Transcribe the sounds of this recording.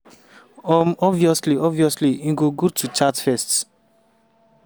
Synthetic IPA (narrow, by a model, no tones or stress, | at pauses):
ɔmɔviɔsliɔviɔsliĩɡoɡotʰut͡ʃatfɛsts